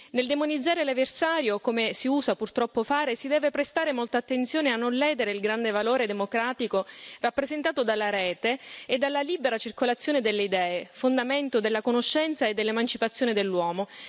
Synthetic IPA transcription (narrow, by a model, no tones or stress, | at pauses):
neld̪emonid̪zːaːɾeleversaːɾjokomesiuːzapurt̪ɾɔpːofaːɾesid̪ɛːvepɾest̪aːɾemolt̪aːt̪ːent̪sjoːneanːonlɛːd̪eɾeilɡɾand̪evaloːɾed̪emokɾaːt̪ikorapːɾezent̪aːt̪od̪alːaɾɛːt̪eːd̪ːalːaliːbeɾat͡ʃirkolat̪sːjoːned̪elːeid̪ɛːefond̪ament̪od̪elːakonoʃːɛnt̪saed̪ːelːemant͡ʃipat̪sːjoːned̪elːwɔːmo